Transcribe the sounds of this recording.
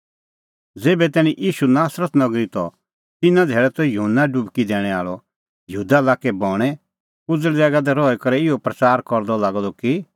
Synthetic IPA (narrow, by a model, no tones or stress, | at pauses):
d͡zeːbɛt̪ɛːñiʔiːʃunaːsɾət̪nɐɡɾit̪ɔ | t̪ɪnãd̪ʱeːɭɛt̪ɔjuɦənːaɖʊbkid̪ɛːɽ̃ɛa̰ːɭɔ | jɦuːd̪alaːkɛbɔːɽ̃ɛ | kʊd͡zlɛd͡zɛːɡad̪ɛɾɔːɛkɐɾɛɪɔpɾɐt͡ʃaːɾkɔɾd̪ɔlaːɡd̪ɔki